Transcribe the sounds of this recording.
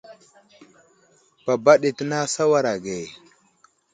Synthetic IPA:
pa˨ba˦ɗi˨tə˦na˦sa˦wa˦ɾa˨ɡe˨

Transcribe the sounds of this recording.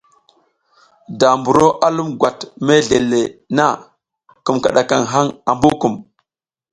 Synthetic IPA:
da˨mbu˨ɾo˦ʔa˦lu˦mɡʷa˨tme˦ɮe˨le˨na˦ | ku˨mka̰˨ɗa˨ka˨ŋɦa˦ŋa˨mbu˦ku˨m

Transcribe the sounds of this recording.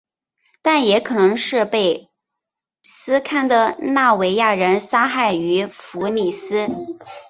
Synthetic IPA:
t̪a˥˩njɛ˧˥kʰɤ˨˩nɤ˧˥ŋʂɻ̩˥˧pe˥˩ɪ | sɹ̩˥kʰa˥˩nd̪ə˩na˥˩we˧˥ɪja˥˩ɻə˧˥nsa˥xa˥˩ɪy˧˥fu˧˥ni˨˩sɹ̩˥

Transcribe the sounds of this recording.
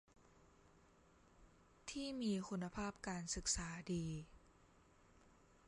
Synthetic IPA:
t̪ʰiː˥˩miː˧kʰu˧nːa˧pʰaː˥˩p̚kaː˧nsɯ˨˩k̚saː˩˦diː˧

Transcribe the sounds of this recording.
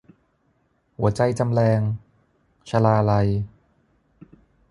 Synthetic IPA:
hu˩˦ɐt͡ɕa˧jt͡ɕa˧mlɛː˧ŋ | t͡ɕʰa˧laː˧la˧j

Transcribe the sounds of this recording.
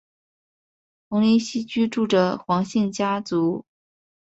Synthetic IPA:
xʊ˧˥ŋli˧˥nɕi˥t͡ɕy˥ʈ͡ʂu˥˩ʈ͡ʂə˨˩xwɑ˧˥ŋɕɛ˥˩nt͡ɕja˥t͡su˧˥

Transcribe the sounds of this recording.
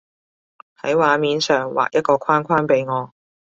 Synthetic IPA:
hɐ˨˥jwaː˨˧˥miː˨˧nsœː˨˩ŋwa̰ː˨k̚jɐ˥t̚kɔː˧kʷʰaː˥nkʰaː˥npe˨˧jŋɔː˨˧

